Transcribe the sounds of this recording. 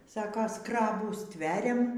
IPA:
ˈsɑːkɐ ˈskrɑːbuː ˈsʲtʲʋʲæːrʲɛm

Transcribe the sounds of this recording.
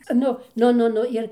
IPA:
ˈnʊ ˈnʊ ˈnʊ ˈnʊ ˈɪr

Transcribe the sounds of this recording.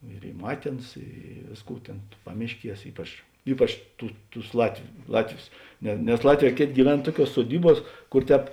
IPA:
ɪr ˈiː ˈmɑːtʲeː ˈɑːˌnɐs ˈiː ˈʋʲeːsˌkuː ˈtʲeːn ˈpɑːmʲɪʃʲˌkʲiɛs ˈiːpɐt͡ʃ ˈiːpɐt͡ʃ ˈtuː ˈtʊs ˈlˠɑːtʲʋʲʊ ˈlˠɑːtʲˌʋʲʊs nʲɛ nʲɛs ˈlˠɑːtʲˌʋʲɛː ˈkʲeːˌtʲeː ɡʲiːˈʋʲɛn ˈtuɔˌkʲuɔs suɔˈdʲiːˌbuɔs ˈkʊr ˈtʲɛːp

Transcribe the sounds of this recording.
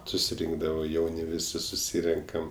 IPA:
sʊsʲɪˈrʲɪŋɡdɐʋoː ˈjɛʊnʲɪ ˈʋʲɪsʲɪ sʊˈsʲiːrʲɛŋkɐm

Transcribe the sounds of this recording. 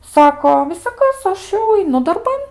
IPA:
ˈsɑːkoː ʋʲɪsɐˈkɐs ˈɐʃ jɛʊ ɐɪˈnʊ dɐrˈbɐn

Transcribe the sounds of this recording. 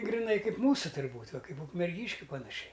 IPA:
ɡrʲɪˈnɐɪ ˈkɐɪp ˈmuːsʊ tʊrʲˈbuːtʲ ˈʋɐ ˈkɐɪp ʊkmʲɛrʲˈɡʲiːʃʲkʲʊ pɐnɐˈʃʲɛɪ

